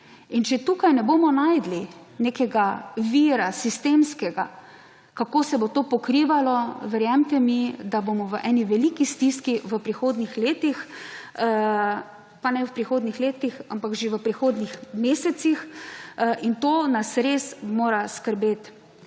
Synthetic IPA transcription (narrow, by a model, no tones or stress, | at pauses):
int͡ʃɛt̪ukajnɛboːmɔnaːjd̪li | nekɛɡaʋiːɾasist̪emskɛɡa | kakoːsɛbot̪oːpɔkɾiːʋalɔʋɛɾjamt̪ɛmid̪abomɔʋəʔɛːniʋɛlikist̪iskiʋəpɾixoːd̪nixleːt̪ix | panɛʋəpɾixoːd̪nixleːt̪ixa̰mpakʒeʋəpɾixoːd̪nixmeːsɛt̪six | ʔint̪oːnasɾeːsmoːɾaskəɾbeːt̪